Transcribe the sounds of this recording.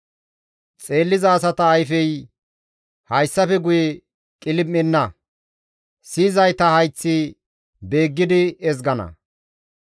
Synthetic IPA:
t͡sʼe̞ːlːɪzɐːs̬ɐt̪ɐːjfɛj | hɐjsːɐfɛɡʊjɛ | kʼɪlɪmːɛnːɐ | siːzɐjt̪ɐhɐjt͡sːi | be̞ːɡːɪd̪ɪɛzɡɐnɐ̰

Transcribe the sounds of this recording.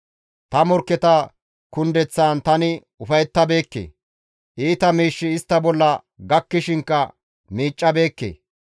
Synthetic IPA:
t̪ɐmɔɾkːɛt̪ɐ | kʊnd̪ɛt͡sːaːnt̪ɐnɪ | ʊfɐjɛt̪ːɐbe̞ːkːḛː | ʔiːt̪ɐmiːʃːɪɪst̪ːɐbɔlːɐ | ɡɐkːɪʃɪŋkːɐ | miːt͡ʃʼːɐbe̞ːkːḛː

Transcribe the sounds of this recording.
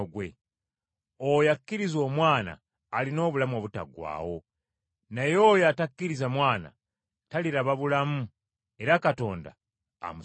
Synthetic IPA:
ɡwe̞ | ojakːiɾizo̞ːmwaːna̰ː | lino̞ːβulamoβuta̰ɡwa̰ːwo̞ | najoːjatakːiɾizamwaːna̰ | taliɾaβaβulamu | e̞ɾakato̞ːnda̰ː | mu

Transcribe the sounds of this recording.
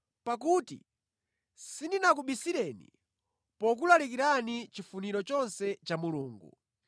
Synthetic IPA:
pak̬utḭ | sindinak̬uɓisiɾɛnḭ | pɔk̬ulalik̬iɾanit͡ʃifuniɾɔt͡ʃɔnsɛt͡ʃamuluːŋɡṵ

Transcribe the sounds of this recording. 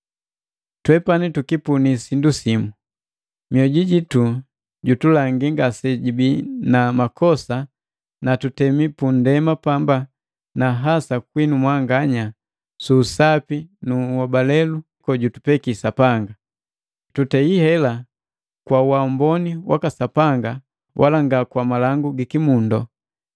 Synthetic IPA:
twɛpanitukipunisindusimu | miɔɟiɟitu | ɟutulaŋɡiŋɡasɛɟibinamakʰɔsa | natutɛmipundɛmapamba | naɦasakwinumwaŋɡaɲa | suːsapinuɔbalɛlu | kɔɟutu̥pɛkisapaŋɡa | tutɛihɛla | kwawambɔniwa̰kasapaŋɡa | wʔalaŋɡakwamalaŋɡuɡikimundɔ

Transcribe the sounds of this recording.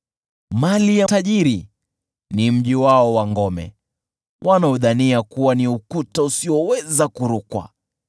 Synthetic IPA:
malijataʄiɾi | nim̩ʄiwaɔwaŋɡɔmɛ̰ | wʔanauðaniakuwaniukutausiɔwɛzakuɾukwa̰

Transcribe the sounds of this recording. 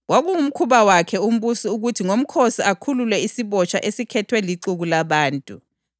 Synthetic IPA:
waɣuum̩kʰuβawakʰɛum̩βusiuɣutʰiŋom̩kʰosiakʰululɛisiβɔt͡ʃʰʼa̰ʔesikʰɛtʰwɛliǀuɣulaβaːntʼu

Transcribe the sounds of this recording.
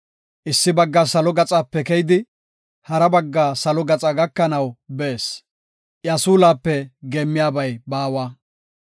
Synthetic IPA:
ʔɪsːɪbɐɡːaːsɐlɔɡɐt͡sʼaːpːɛkɛjɪd̪ɪ | hɐɾɐbɐɡːaːsɐlɔɡɐt͡sʼɐɡɐkːɐnɐwbeːs | ʔjaːsuːlaːpːɛɡeːmːɪjaːbɐjbaːwaː

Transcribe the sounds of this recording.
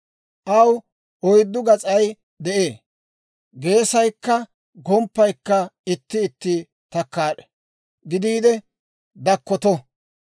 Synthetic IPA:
ʔɐw | ɔjd̪ːʊɡɐt͡sʼɐj | d̪ɛʔeː | ɡe̞ːsɐjkːɐ | ɡɔmpːɐjkːɐɪt̪ːɪːt̪ːɪ | t̪ɐkːaːᶑɛ̥ | ɡɪd̪iːd̪ɛ | d̪ɐkːɔt̪ɔ

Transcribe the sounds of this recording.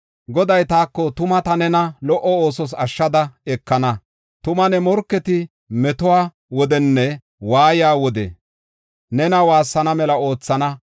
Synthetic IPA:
ɡɔd̪ɐjt̪aːkːɔt̪ʊmɐt̪ɐnɛnɐlɔʔɔo̞ːsɔs̬ɐʃːɐd̪ɐɛkːɐnɐ | t̪ʊmɐnɛmɔɾkːɛt̪ɪ | mɛt̪ʊwaː | wɔd̪ɛnːɛ | waːjaːwɔd̪ɛ̰ | nɛnɐwaːsːɐnɐmɛlɐo̞ːt͡sːɐnɐ

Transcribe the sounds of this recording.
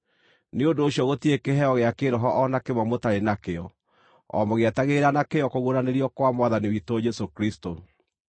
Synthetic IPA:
neondoːɕjɔɣotiekeɦɛɔɣeakeɾɔɦɔʔɔnakemwɔmotaɾenakeɔ | ɔ̰moɣeɛtaɣeɾanakeɔkoɣuoɾaneɾijɔkwamwaðaniwitoːd͡ʒɛsokɾisto

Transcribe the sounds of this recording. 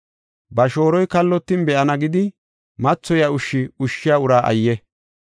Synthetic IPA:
bɐʃo̞ːɾɔjkɐlːɔt̪ːɪnbɛʔɐnɐɡɪd̪ɪ | mɐt͡sːɔjaʊʃːɪʊʃːɪjaːʊɾaːʔɐ̰jːɛ

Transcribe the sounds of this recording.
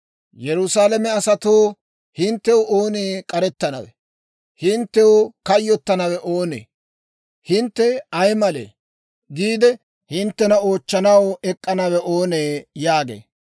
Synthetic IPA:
jɛɾʊsaːlɐmɛɐsɐt̪oː | hɪnt̪ːɛwooːneːkʼɐɾɛt̪ːɐnɐ̰wɛ̰ | hɪnt̪ːɛokɐjːɔt̪ːɐnɐwɛʔo̞ːnḛː | hɪnt̪ːɛɐjmɐlḛː | ɡiːd̪ɛ | hɪnt̪ːɛnɐoːt͡ʃːɐnɐwɛkʼːɐnɐwɛʔoːneːjaːɡḛː

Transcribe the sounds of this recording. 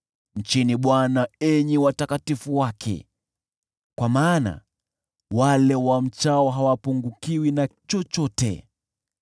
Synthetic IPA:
ɲ̩t͡ʃiniɓwanaɛɲiwatakatifuwakʰɛ̰ | kwamaːna̰ | walɛwam̩t͡ʃaɔɦawapuŋɡukiwinat͡ʃɔt͡ʃɔtɛ̰

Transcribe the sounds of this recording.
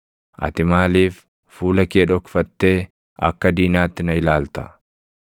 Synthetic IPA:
ʔɐ̰t̪ɪmaːliːf | fuːlɐkeːᶑɔkfɐt̪ːe̞ː | ɐ̰kːɐd̪iːnaːt̪ːɪnɐɪlaːlt̪ɐ̥

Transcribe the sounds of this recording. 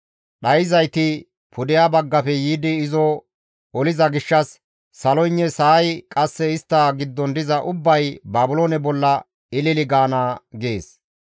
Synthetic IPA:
ɗɐjɪzɐjt̪ɪ | pʰʊd̪ɪjaːbɐɡːɐfɛjiːd̪ɪːzɔ | ɔlɪzɐɡɪʃːɐsː | ɐlɔjnːɛsɐːjkʼɐsːɛɪst̪ːaːɡɪd̪ːɔnd̪ɪzɐʔʊbːɐjbaːbʊloːnɛbɔlːɐ | ɪlɪlɪɡaːnaːɡeːs

